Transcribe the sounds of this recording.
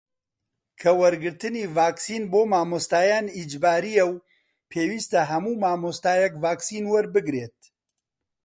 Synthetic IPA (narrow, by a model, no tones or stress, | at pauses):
kʰɐwɐɾɡɨɾt̪ɨniːvaːksiːnboːmaːmost̪aːjaːnid͡ʒbaːɾijɛw | pʰeːwiːst̪ɐɦɐmuːmaːmost̪aːjɛkvaːksiːnwɐɾbɨɡɾeːt̪̚